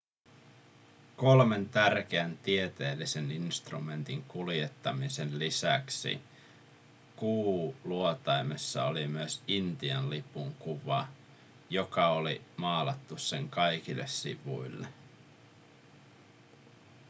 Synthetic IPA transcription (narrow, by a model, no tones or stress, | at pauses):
ko̞lme̞nt̪ærk̟eænt̪iet̪e̞ːlːise̞ninst̪rume̞nt̪iŋkulje̞t̪ːɑmise̞nlisæksḭ | kuːluot̪ɑjmesːɑ̰olimyesint̪iɑnlipuŋkuʋɑ | jo̞kɑolimɑːlɑt̪ːusːe̞ŋkɑjkilːe̞̰ssḭʋṵilːe